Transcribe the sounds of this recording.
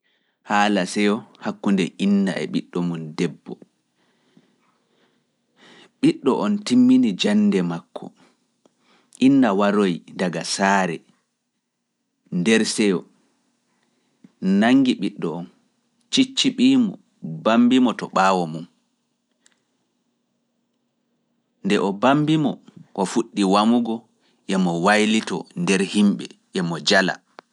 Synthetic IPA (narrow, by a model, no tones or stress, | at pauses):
haːlasɛjɔhakːundɛʔinːa̰ɛ̰ɓiɗːɔmundɛbːɔ | ɓiɗːɔʔɔntimːinid͡ʒanːdɛmakʰːɔ̰ | ʔinːawaɾojdaɡasaːɾɛ̰ | ndɛɾsɛjɔ | naŋɡiɓiɗːɔɔn | t͡ʃit͡ʃːiɓiːmɔ̰ | bambimɔtɔɓaːwɔmun | ndɛʔɔbambimɔkɔfuɗːiwamuɡɔ | ʔɛmɔwajlitɔndɛɾhimɓɛʔɛmɔd͡ʒala̰